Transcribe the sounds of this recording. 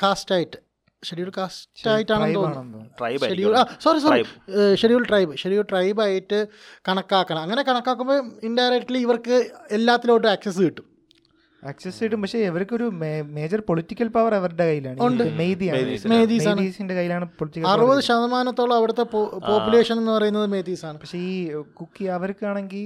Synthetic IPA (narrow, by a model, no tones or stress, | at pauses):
kaːstaːjitːɨ̥ | ʂeɽijuɭkaːstːaːjitːaːɳenonːɐjeɽiulaːsɐɾisɐiʂeɾijulʈrɐjbɨʂeɾijuʈrɐjbaːjitːɨ | kɐɳɐkːaːkːɐɳɐmɐŋːɐne̞kɐɳɐkːaːk̬ːumboːindɐjɾek̚ʈːɐliiʋɐrkɨelːaːt̪ːiloːʈːɨaːksɐs̬iʈːum | aːksesiʈːumpɐkʂe̞ːʋɐɾkːoɾumeme̞ːd͡ʑɐrpoɭitːikʲːɐlpɐʋɐrɐʋɐriɳɖekɐjːilaːɳɨuɳɖɨmejd̪ijasmeːt̪iːmesaːɳɨisinde̞kɐjːilaːɳɨpoɭitːikːɐɐrubɐðɨɕɐðɐmaːnɐt̪ːo̞ːɭːɐɐʋiɽut̪ːe̞ppo̞ːpjule̞ːʂɐnenːɨpɐrɐjunːɐðɨme̞ːd̪iːsaːɳɨpɐkʂeiːkukːiɐʋɐɾkɨaːɳeŋɡil